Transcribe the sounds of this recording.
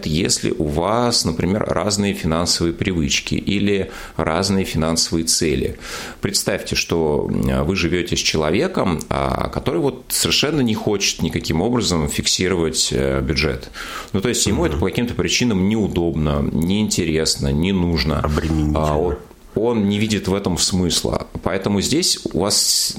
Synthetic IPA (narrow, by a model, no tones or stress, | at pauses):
t̪əjḛsʲlʲɪ̰ʔʊvasnəpɾʲɪmʲe̞rrʔa̰znɨjəfʲɪnansəvɨjəpɾʲɪvɨt͡ɕkʲɪ̰ʔilʲɪ | ra̰znɨjəfʲɪnansəvɨjət̪sɛlʲɪ̰ | pɾʲɪt̪st̪afʲtʲɪʂt̪o̞vɨʐɨvʲotʲɪsʲt͡ɕɪlˠɐvʲe̞kəma̰kɐt̪o̞ɾɨjvo̞t̪səvʲɪrʂɛnːənʲɪxo̞t͡ɕɪ̥t̪nʲɪkɐkʲimo̞bɾəzəmfʲɪksʲiɾəvətʲəbʲʊdʐɛ̰t̪ | nut̪o̞jɪsʲtʲjɪmuɛt̪əpəkɐkʲimt̪əpɾʲɪt͡ɕinəmnʲɪʊd̪o̞bnənʲɪːnʲtʲɪɾʲe̞snənʲɪnuʐnə̰ɐbɾʲɪmʲɪnʲio | o̞nnʲɪvʲidʲɪt̪vɛt̪əmsmɨslˠə̰pɐɛt̪əmʊzʲdʲesʲʊ̰vas